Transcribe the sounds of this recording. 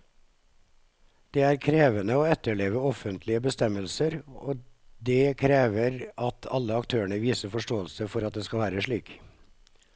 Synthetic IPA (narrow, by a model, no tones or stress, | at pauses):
d̪̥eːæːɾkʰɾeːʋənəoːɛt̪ːəɭeːʋəɔfənt̪ʰlɪəbəst̪ɛməlsəɾoːd̪eːkʰɾeːʋəɾɑt̪ʰɑlːəɑkt̪ʰøːəɳəʋiːsəfɔʂʈoːəlsəfɔɾɑt̪̚d̪eːskɑlʋæːɾəʂɭiːk